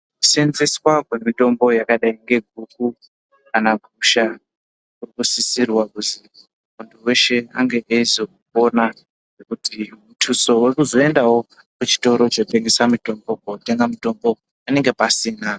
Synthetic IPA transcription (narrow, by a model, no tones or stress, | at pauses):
ku̥senzeswakwemito̞mbo̞jakaɗaiŋɡe̞ɡʱuk̚u | anaɡʱuʃa | urikusisirwakuzi | muntuwe̞ʃe̞a̰ŋɡe̞ʔeizo̞uo̞na | ʐekutimutʰuso̞wekuzo̞e̞ndawo̞ | kut͡ʃi̥to̞ɾot͡ʃote̞ŋɡesamito̞mbo̞k̚oute̞ŋɡamito̞mbo̞ | ane̞ŋɡe̞pasina